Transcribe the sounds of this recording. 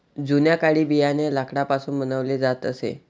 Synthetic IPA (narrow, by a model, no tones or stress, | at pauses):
d͡zunjakaɭiːbijanelakɽapasuːnbənəʋled͡zat̪əsḛ